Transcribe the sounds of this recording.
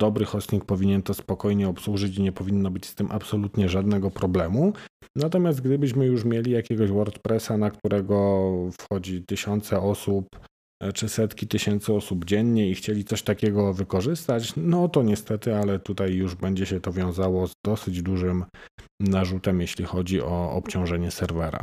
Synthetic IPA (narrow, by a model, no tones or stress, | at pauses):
d̪̥ɔbɾɘxɔsɲʲik̚pɔvʲiɲɛnt̪ɔspɔkɔjɲɛɔpswuʐɘt͡ɕiɲɛpɔvʲinːɔbɘt͡ɕst̪ɘmʔa̰psɔlut̪ɲɛʐad̪nɛɡɔpɾɔblɛmu | nat̪ɔmʲast̪ɡd̪ɘbɘɕ̬mɘjuʂmʲjelʲijakʲɛɡɔɕwɔɾt̪pɾɛsanakt̪uɾʔɛɡɔfxɔd͡ʑit̪ɘɕɔnt̪sɛɔsup | t͡ʂɘsɛt̪kʲit̪ɘɕɛnt̪sɘɔsubd͡ʑɛɲɲɛixt͡ɕelʲit̪sɔɕt̪akʲɛɡɔvɘkɔʐɘst̪at͡ɕnɔt̪ɔɲɛst̪ɛt̪ɘalɛt̪ut̪ajːuʐbɛɲd͡ʑɛɕɛt̪ɔvʲjɔ̃w̃zawɔzd̪ɔsɘd͡ʑd̪uʐɘmnaʐut̪ɛmjeɕlʲixɔd͡ʑiʔɔɔ̰pt͡ɕɔ̃w̃ʐɛɲɛsɛɾvɛɾa̰